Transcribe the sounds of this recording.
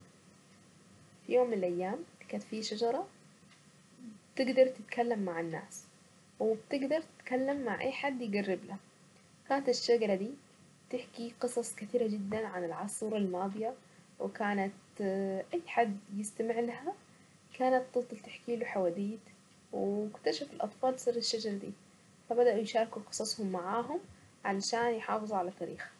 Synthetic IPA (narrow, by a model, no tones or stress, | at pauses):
fijoːmːɪnɪlʔajːaːmkaːt̪fiʃad͡ʒɑɾˤɑ | bt̪ɪɡd̪ɑɾˤt̪ɪt̪kalːamːaʕɪnːa̰ːs | wɪbt̪ɪɡd̪ɑɾˤt̪ɪ̥t̪kalːamːaʕʔa̰jːħad̪ːjɪɡarːɪblaha | kaːnat̪ɪʃːaɡɑɾˤɑd̪iː | bt̪ɪħkiqɨsˤɑsˤkɪt̪iːɾad͡ʒɪd̪ːanʕanɪlʕɑsˤuːɾˤalmɑːd̪ˤɨja | wɪ̰kaːnat̪ʔajːħad̪ːjɪst̪amɪʕlaha | kaːnat̪̚ːɨt̪ˤːɨlt̪ɪħkiːluħawaːd̪iːt̪ | wɪkt̪aʃafɪlʔɑt̪ˤfɑːlsˤɨrːɪʃːad͡ʒɑɾˤɑd̪ḭː | fabad̪aʔujʃɑːɾˤkuqɨ̥sˤɑsˤhʊmːaʕaːɦʊm | ʕalaʃaːnjħɑːfɨzˤuʕalat̪ːaːɾḭːxhḁ